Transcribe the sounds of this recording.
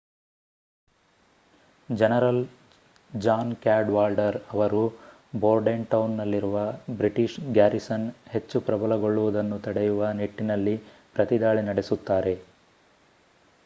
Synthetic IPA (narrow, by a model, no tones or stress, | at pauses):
d͡ʒɛnɐɾɐl | d͡ʒaːnkaːɖʋaːlɖɐɾɐʋɐɾu | boːɾɖeɳʈɐwnːɐlːiɾuʋɐbɾiʈiʃɡjaːɾisɐnhe̞t͡ʃːupɾɐbɐlɐɡo̞ɭːuʋud̪ɐnːut̪ɐɽejuʋɐniʈːinɐlːi | pɾɐt̪id̪aːɭinɐɽe̞sut̪ːaːɾe̞